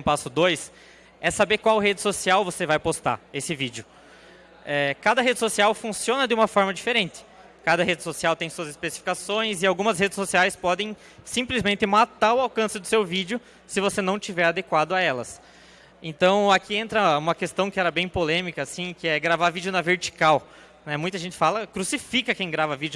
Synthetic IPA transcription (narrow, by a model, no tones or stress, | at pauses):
pasʊd̪ojs | ɛsabeɾkwawɦed͡ʒɪsosiawvosevajpost̪a̰esɪvid͡ʒjʊ | ɛkad̪ɐɦed͡ʒɪsosiawfũsiõnɐd̪ɪũmɐfɔɾmɐd͡ʒifeɾẽnt̪ɪ̥ | kad̪ɐɦed͡ʒɪsosiawt̪ẽj̃suɐzɪspesi̥fi̥kasõj̃zɪawɡũmɐsɦed͡ʒɪ̥sosiajspɔd̪ẽj̃ | sĩmplɪzmẽnt̪ɪmat̪aɾʊawkɐ̃sɪd̪ʊsewvid͡ʒjʊ | sɪvosenɐ̃w̃t͡ʃivɛɾad̪ekwad̪ʊaɛlɐ̰s | ẽnt̪ɐ̃w̃akʰiẽnt̪ɾɐũmɐkest̪ɐ̃w̃kɪɛɾɐbẽj̃polẽmikɐsĩkɪɛɡɾavaɾvid͡ʒʊnɐveɾt͡ʃi̥kaw | nɛmũj̃t̪ɐʒẽnt͡ʃ̪ɪ̥falɐkɾusifikɐkẽj̃ɡɾavɐvid͡ʒʊ